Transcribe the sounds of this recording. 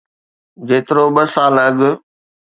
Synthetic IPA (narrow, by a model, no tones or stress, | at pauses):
d͡ʑeːt̪ɾoɓəsaːləɠ